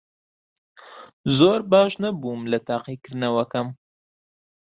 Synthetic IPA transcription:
zoːɾbɑːʃnɐbumlɐt̪aːqikɨɾnɐwɐkɐm

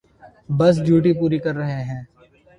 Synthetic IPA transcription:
bəs̬d͡ʒjuːʈ̬ipuːɾikɐɾːəɦeɦɛ̃ː

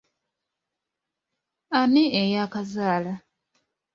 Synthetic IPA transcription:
aneejakazaːla

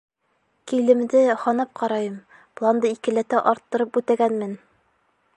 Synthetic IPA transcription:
kilɘ̆md̪ɘhɒnɑp̚qʰɑɾɑjɤm | plˠɑnd̪ɤikɘ̆læt̪æʔɒɾt̪ːɤ̆ɾɤp̚ʉt̪æɡænmɘn

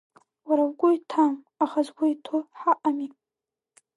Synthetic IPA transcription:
waɾawɡʷʊjtʰam | aχazɡʷaitʰoħaʔami

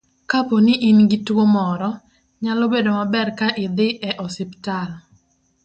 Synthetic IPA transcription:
kaponɪʔinɡɪtwomɔɾɔ | ɲalɔbedomabɛrkaʔɪd̪ɪʔɛʔɔsɪptal

